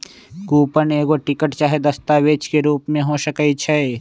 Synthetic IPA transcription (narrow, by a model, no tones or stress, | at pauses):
kuːpəneːɡoʈɪkəʈt͡ʃaːɦed̪ɐst̪aːʋeːt͡ʃkeɾuːpmẽɦoːʃəkəit͡ʃʰɛ